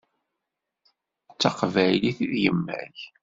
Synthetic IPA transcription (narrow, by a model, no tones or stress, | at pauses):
t͡sːɑqvæjliθiðjəmːæ̰ç